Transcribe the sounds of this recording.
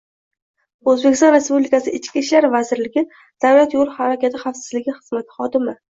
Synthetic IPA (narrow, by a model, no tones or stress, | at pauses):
ɵzbekʲɪst̪ɒ̃nɾe̞spublɪkasɪɪt͡ʃkʲiʃlaɾvazɪɾlɪɡʲɪ | d̪̥awlat̪jolˠhaɾakʲat̪ʰɪχafsɪ̥zlɪɡʲɪχɨzmat̪ʰɪ̥χɒd̪ɪmɪ